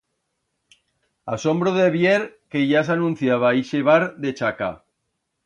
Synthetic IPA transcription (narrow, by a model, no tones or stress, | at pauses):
asõmbɾoðeβjeɾkeʝas̬anũn̟θjaβ̞aiʃeβ̞aɾðet͡ʃaka̰